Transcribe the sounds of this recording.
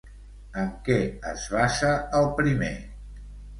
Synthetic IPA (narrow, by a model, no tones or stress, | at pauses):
əŋkɛə̰zβaʃəːlˠpɾimḛ